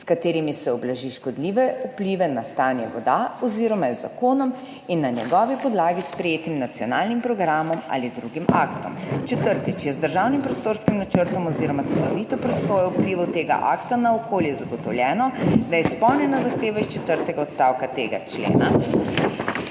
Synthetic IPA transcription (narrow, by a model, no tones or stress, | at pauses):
skat̪eːɾimisɛɔblaʒiʃkɔd̪liːʋɛupliʋɛnast̪aːnjɛʋɔd̪aɔziːɾɔmajzakoːnɔm | inːanjɛ̰ɡɔʋipɔd̪laːɡispɾɛjeːt̪imnat̪siɔnaːlnimpɾɔɡɾaːmɔma̰lid̪ɾuɡima̰ːkt̪ɔ̰mt͡ʃɛt̪əɾt̪it͡ʃjɛzd̪əɾʒawnimpɾɔst̪oːɾskimnat͡ʃəɾt̪ɔmɔziːɾɔmast̪sɛlɔʋit̪ɔpɾɔsoːjɔupliʋɛwt̪eːɡa̰ʔa̰kt̪anaɔkoːljɛzaɡɔt̪ɔwljɛːnɔd̪ajɛspɔwnɛnazaxt̪eːʋaist͡ʃɛt̪əɾt̪ɛɡaɔt̪st̪aːwkat̪eːɡa̰t͡ʃlḛːna